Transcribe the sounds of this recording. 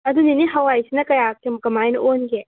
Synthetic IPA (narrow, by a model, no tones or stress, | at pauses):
ɐd̪uniniɦɐwajsinɐkɐjaːkemɐkɐmajnonɡe